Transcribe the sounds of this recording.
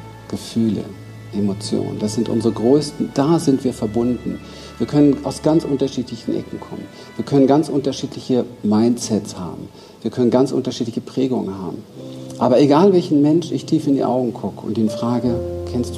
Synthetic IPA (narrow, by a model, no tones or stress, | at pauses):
ɡ̥əfyːlə̰ | ʔemot͡sjo̰ːnə̰ndasz̥ɪntʔʊ̰nzʁəɡʁøːstn̩d̥aːzɪntv̥iːɐfɛɐbʊndn̩ | viːɐkʰœnənʔaʊsɡ̥ant͡sʔʊntɐʃiːtlɪçn̩ʔɛ̰kŋ̩kʰɔ̰mən | viːɐkʰœnənɡant͡sʔʊntɐʃiːtlɪçəmaɪntt͡sɛtsha̰ːbm̩ | viːɐkʰœnənɡant͡sʔʊ̰ntɐʃiːtlɪçəpʁ̥ɛːɡʊŋə̰nɦa̰ːbm̩ʔa̰ːbɐeɡaːlvɛlçn̩mɛnʃɪçtʰiːfɪndḭʔa̰ʊɡŋ̩kʰʊkəʊ̰ntiːnfʁ̥aːɡəkʰɛnstd̥